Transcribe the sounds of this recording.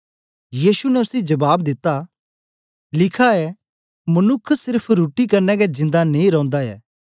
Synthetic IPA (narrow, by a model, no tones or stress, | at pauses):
jiːsunɛʊsid͡ʒɐbaːbd̪ɪt̪ːa | lɪkʰaɛ | mɐnʊkʰːsɪɾpʰɾuːʈikɐɾnɛɡɛd͡ʒɪ̃nd̪anẽĩɾɐ̃ːnd̪aɛ̰ː